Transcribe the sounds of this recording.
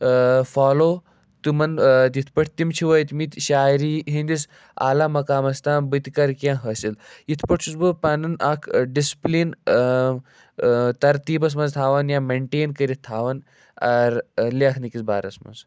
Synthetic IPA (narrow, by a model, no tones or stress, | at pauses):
faːloː | t̪ɨmɐnt̪it̪ʰpɐʈʰt̪imt͡ʃʰiʋɐit̪mit̪ʲʃaːjɾiɦĩnd̪is | a̰ːlaːmɐkaːmɐst̪ãːbɨt̪ikɐɾkʲãːɦɐsilit̪ʰpɐʈt͡ʃʰusbɨpanɨnakʰɖisplin | t̪ɐɾt̪iːbɐs̬mɐnzt̪ʰaːʋɐnjaːmeɳʈeːnkɐɾit̪ʰːaːʋɐn | ɐɾliɐkʰnikisba̰ːɾɐsmɐ̰nz